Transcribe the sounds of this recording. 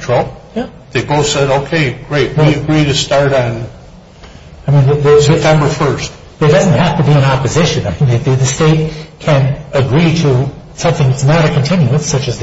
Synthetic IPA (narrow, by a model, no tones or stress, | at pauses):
tʰɹ̥ojæ | ðeɪboʊθsɛɾoʊkʰeɪɡ̥ɹeɪt̚wiɨɡɹiɾɨstɑɹɾn̩ | aɪmĩnðɨðɨsɛtʰɛ̃mbə˞fɜ˞st | b̥ʌɾɨt̚d̥ʌzn̩t̚hæftɨbiɨ̃nɑpɨzɪʃɨ̃naɪ̃nðɨðɨðɨsteɪt̚kʰɨ̃nɨɡɹiɾɨ | sʌ̃mθɪ̃ŋðɨtsnəɾɨkʰɨ̃ntʰɪ̃njʉɨ̥̃sʌt͡ʃɨzð